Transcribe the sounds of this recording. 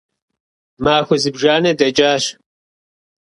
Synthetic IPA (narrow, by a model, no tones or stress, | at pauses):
maːxuzibʒaːned̪ɐd͡ʒaːʃ